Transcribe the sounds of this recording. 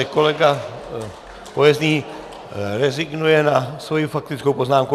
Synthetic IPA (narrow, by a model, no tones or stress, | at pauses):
ɛkolɛɡa | pojɛzɲiː | ɾɛziɡnujɛnasʋojufak̚t̪ɪt͡skowpoznaːmku